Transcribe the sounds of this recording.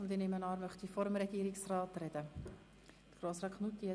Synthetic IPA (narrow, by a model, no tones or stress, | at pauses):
ʊnd̪inɪmənɑːɾmœχt̪ifɔɾəmɾɛɡ̥iːɾɪksrɑːt̪rɛd̥ə | d̥ə̥ɡɾoːsɾɑkχnut̪ːiɛ